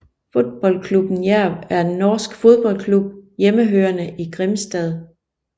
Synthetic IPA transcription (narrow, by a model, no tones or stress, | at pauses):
fo̝d̥̚b̥ɒ̽l̰kʰlub̥n̩jæɐ̰ʋæɐd̥enːɒːsɡ̥fo̝ð̞ˠb̥ɒ̽l̰kʰlub̥̚jeməɦøːɐnəʔiɡ̥ʁemsd̥ɛð̞ˠ